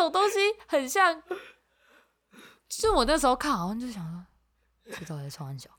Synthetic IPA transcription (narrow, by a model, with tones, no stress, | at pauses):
o˨˩ʊt̪ʊ˥ŋɕi˧˥xə˨˩nɕjɑ˥˧˩ŋ˥ | ʂɻ̩˥˩wɔ˨˩na˥˩əʂ̬̩˧˥xo˧ʊkʰa˥˩n˨˧˥i˨˩t͡ɕjo˥˩ɕjɑ˨˩ŋ˥˩ | t͡ɕʰi˥t̪sʰɑ˥xə˧˥nt͡ɕjɑ˨˩˦ʊ